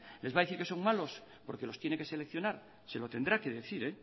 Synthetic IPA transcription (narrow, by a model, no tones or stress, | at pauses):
le̞zβaðeθiɾke̞so̞ŋmalo̞spo̞ɾke̞lo̞st̪je̞neŋke̞sele̞kθjo̞naɾ | se̞lot̪e̞nd̪ɾake̞ðeθiɾe